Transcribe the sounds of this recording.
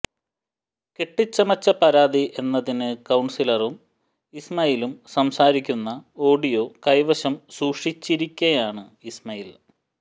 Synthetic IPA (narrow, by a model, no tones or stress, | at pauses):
keʈːit͡ɕːɐmɐt͡ɕːɐpɐɾaːd̪iʔe̞nːɐðinɨkɐwɳsilɐrum | ismɐjilumsɐmsaːɾikʲːunːɐo̞ːɖijo̞kɐjʋɐɕɐmsuːʂit͡ɕːiɾikʲːɐjaːɳɨismɐjil